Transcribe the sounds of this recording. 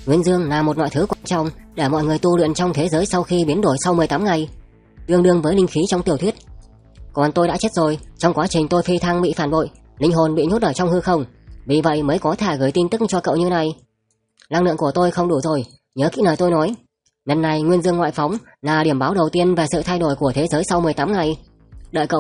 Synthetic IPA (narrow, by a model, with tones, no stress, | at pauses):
ŋwi˧ənzɨ˧əŋnaː˨˩mo˨˩t̚nwa̰ː˧˨tʰɨ˨˦kwaː˧˩nt͡ɕɔ̰˧˨wŋ͡mɗe˧˩mɔ̰˧˨jŋɨ˨˩əjt̪u˧lwḭ˧˨ənt͡ɕɔ˧wŋ͡mt̪ʰe˨˦zəː˨˦jsa˧wxi˧ɓi˨˦nɗo˧˩jsa˧wŋ͡mmɨ˨˩əjt̪aː˨˦mŋa˨˩j | ɗɨ˧əŋɗɨ˧əŋvəː˨˦jnï˧ŋ̟xi˨˦t͡ɕɔ˧wŋ͡mt̪i˨˩ət̪ʰwi˦˥t̚ | kɔ˨˩nt̪o˧jɗa̰ː˧˥t͡ɕe˦˥t̚zo˨˩jt͡ɕɔ˧wŋ͡mkwaː˨˦t͡ɕï˨˩ŋ̟t̪o˧jfi˧t̪ʰa˧ŋɓḭ˧˨faː˧˩nɓo̰˧˨j | lï˧ŋ̟ɦo˨˩nɓḭ˧˨ɲo˦˥t̚ʔəː˧˩t͡ɕɔ˧wŋ͡mhɨ˧xə˧wŋ͡mvi˨˩və̰˧˨jməː˨˦jkɔ˨˦t̪ʰɛ˧˩ɣəː˧˩jt̪i˧nt̪ɨ˦˥k̚t͡ɕɔ˧kə̰˧˨wɲɨ˧na˨˩j | laː˧ŋlɨ̰˧˨əŋku˧˩ət̪o˧jxə˧wŋ͡mɗu˧˩zo˨˩j | ɲəː˨˦kḭ˧˥nəː˨˩t̪o˧jnɔ˨˦j | ɲə˨˩nːa˨˩jŋwi˧ənzɨ˧əŋːwa̰ː˧˨jfɔ˨˦wŋ͡m | laː˨˩ɗi˧˩əmɓaː˨˦wɗə˨˩wt̪i˧ənve˨˩sɨ̰˧˨t̪ʰa˧jɗo˧˩jku˧˩ət̪ʰe˨˦zəː˨˦jsa˧wmɨ˨˩əjt̪aː˨˦mŋa˨˩j | ɗə̰ː˧˨jkə̰˧˨